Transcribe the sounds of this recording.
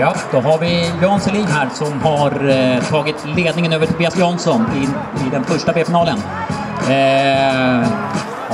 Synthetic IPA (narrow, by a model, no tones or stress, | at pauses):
jɑːd̪̥ɔɦaɾvɪjɑːnsɛliːnɦæːɾʂɔmhaɾt̪ʰɑːɡɪt̪leːd̪nɪŋənøːvəʈʰʊbiːasjɔnsɔnɪ | ɪd̪ɛnfœʂʈabeːfɪnɑːlən